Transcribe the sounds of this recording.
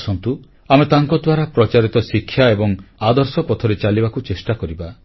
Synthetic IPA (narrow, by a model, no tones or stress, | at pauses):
sɔnt̪u | amet̪aŋkɔd̪waɾapɾɔt͡ʃaɾit̪ɔsikʰːjaebɔŋad̪ɔɾsɔpɔt̪ʰɔɾet͡ʃalibakut͡ʃesʈakɔɾiba